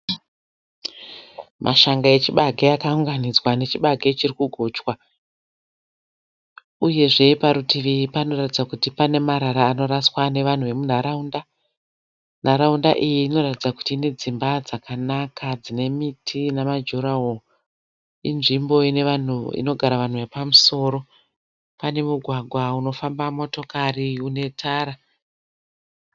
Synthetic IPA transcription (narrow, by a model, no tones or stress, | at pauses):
mʔa̰ʃaŋɡae̞t͡ʃiɓaɡʱeakauŋɡanid͡zwane̞t͡ʃiɓaɡʱet͡ʃirikuɡʱo̞ːt͡ʃwa | uje̞ʐe̞paɾutiʋipano̞ratid͡zakutipane̞maɾaɾaːno̞ɾaswane̞ʋan̤uʋe̞mun̤aɾaunda | n̤aɾaunda̰ʔijiːno̞ratid͡zaku̥tiːne̞d͡zimbad͡zakanakʰad͡zine̞mitʰinamad͡ʒuɾawo | inʐimbo̞ine̞ʋan̤uḭno̞ɡʱaɾaʋan̤uʋepamuso̞ːɾo̞ | pane̞muɡʱwaɡʱwauno̞fambamo̞to̞kariune̞tʰaːɾa